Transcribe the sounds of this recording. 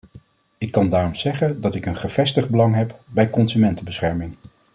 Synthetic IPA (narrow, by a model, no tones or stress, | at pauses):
ɪkːɑndaːrɔmz̥ɛχəndɑtɪkənχəv̥ɛstəχd̚bəlɑŋɦɛpbɛjkɔnzymɛntəbəsχɛɹmɪŋ